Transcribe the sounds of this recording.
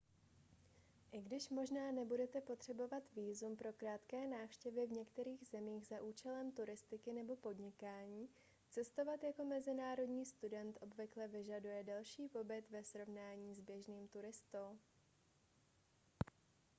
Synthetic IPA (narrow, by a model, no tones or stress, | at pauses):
ʔɪɡdɪʃmo̞ʒnaːnɛbudɛt̪ɛpo̞t̪r̝̥ɛbo̞vat̪viːzumpɾo̞kɾaːt̪kɛːnaːfʃcɛvɪvɲɛkt̪ɛɾiːɣzɛmiːɣzaʔuːt͡ʃɛlɛmt̪uɾɪst̪ɪkɪnɛbo̞po̞dɲɪkaːɲiː | t͡sɛst̪o̞vat̪jako̞mɛzɪnaːɾo̞dɲiːst̪udɛnt̪ʔo̞bvɪklɛvɪʒadujɛdɛlʃiːpo̞bɪt̪vɛsɾo̞vnaːɲiːzbjɛʒniːmt̪uɾɪst̪ow